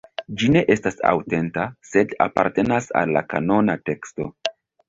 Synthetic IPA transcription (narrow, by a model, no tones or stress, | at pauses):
d͡ʒine̞ʔe̞stasa̰wte̞ntase̞da̰paɾte̞nasa̰lːakano̞nate̞ksto̞̰